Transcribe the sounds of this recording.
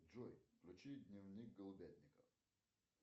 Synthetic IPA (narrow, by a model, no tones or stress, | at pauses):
d͡ʒɔjklʲʊt͡ɕid̪ʲnʲɪvnʲik̚ɡəlˠʊbʲed̪ʲnʲɪkə